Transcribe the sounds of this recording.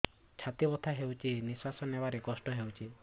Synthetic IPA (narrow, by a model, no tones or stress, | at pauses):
t͡ʃʰat̪ibɔt̪ʰaɦewt͡ʃʰinisasɔnebaɾekɔsʈɔɦewt͡ʃʰi